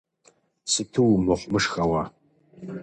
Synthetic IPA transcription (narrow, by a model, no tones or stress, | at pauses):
sɨtʰɨwmɨχʷmɨʂxɐwɑ